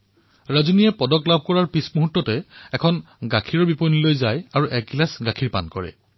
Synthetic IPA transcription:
ɹazunijɛpɔdɔklab̚ʱkɔɹaɹpismuɦutːɔtɛɛkʰɔn | ɡakʰiɹɔɹbiponilojzajaɹuʔɛk̚ɡlasɡakʰiɹpa̰nkɔɹɛ̰

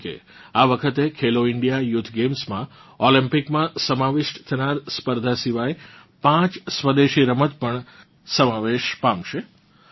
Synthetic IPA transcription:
kḛ | aʋəkʰət̪ekʰeloɪɳɖijajut̪ʰɡemsmã | olĩmpɪkmãsəmaʋɪʃʈt̪ʰənaɾspəɾd̪ʱasiʋajpãt͡ʃsʋəd̪eʃiɾəmət̪̚pəɳ | səmaʋeʃpãmʃe

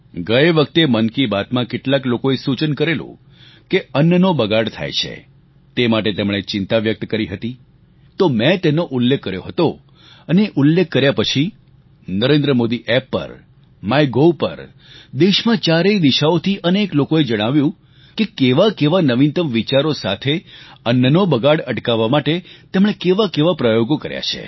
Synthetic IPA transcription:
ɡəeʋək̚t̪emənkibat̪mãkɪʈlaklokoesut͡ʃənkəɾelṵ̃ | keənːnobəɡaɽt̪ʰa̰jt͡ʃʰḛ | t̪emaʈet̪emɽ̃et͡ʃɪnt̪aʋjək̚t̪kəɾiɦət̪i | t̪omɛ̃t̪enoʔʊlːekʰːəɾjo̰ɦət̪o | əneʔulːekʰːəɾjapət͡ʃʰi | nəɾend̪ɾəmod̪iʔɛpːə̰ɾ | majɡopə̰ɾ | d̪eʃmãt͡ʃaɾeid̪iʃaot̪ʰiʔəneklokoed͡ʒəɽ̃aʋjũ | kekeʋakeʋanəʋint̪əmʋit͡ʃaɾosa̰t̪ʰeənənobəɡaɽəʈkaʋːamaʈet̪emɳ̃ekeʋakeʋapɾəjoɡokəɾja̰t͡ʃʰḛ

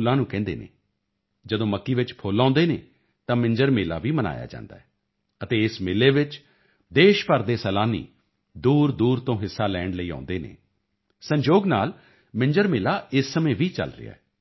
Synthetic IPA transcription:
lãːnũːkɛ̃ːnd̪ḛːnḛː | d͡ʒəd̪õːməkːiːʋɪt͡ʃpʰoːlãːnd̪eːneː | t̪ãːmɪ̃ɲd͡ʒəɾmeːla̰ːʋiːməna̰ːja̰ːd͡ʒã̰ːnd̪aːɛː | ət̪eːɪsmɪleːʋɪt͡ʃ | d̪eːʃpəɾd̪eːsɛːlaːnḭː | d̪uːɾd̪uːɾt̪õːɦɪsːaːlɛːɳləiːã̰ːnd̪eːnḛː | səɲd͡ʒoːɡnaːl | mɪɲd͡ʒəɾmeːlaːɪsːəmẽːʋiːt͡ʃə̰lɾɪ̰a̰ːɛː

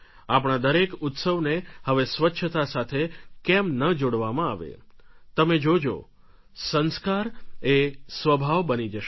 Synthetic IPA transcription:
ap̬ɳ̃ad̪əɾekut̪səʋnehəʋesʋətːʃʰət̪asat̪ʰekɛmnəd͡ʒoɽʋamãa̰ʋḛt̪əmed͡ʒod͡ʒo̰ | sə̃nskaɾesʋəbʱaʋbənid͡ʒəʃ

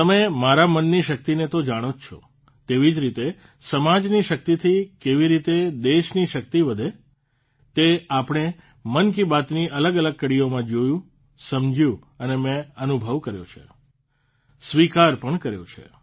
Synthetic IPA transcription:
t̪əmemaɾamənːiʃək̚t̪inet̪od͡ʒaɽ̃ot͡ʃʰo̰ | t̪eʋid͡ʒɾit̪e | səmad͡ʒniʃək̚t̪it̪ʰikeʋiɾit̪ed̪eʃniʃək̚t̪iʋəd̪ʱe | t̪eapɳ̃e | mənk̬ibat̪niʔələɡələɡ̚kəɽijomãd͡ʒojũ | səmd͡ʒʱjũ | ənemɛ̃ənubʱəʋkəɾjo̰t͡ʃʰḛ | sʋikaɾpəɳkəɾjõ̰t͡ʃʰḛ

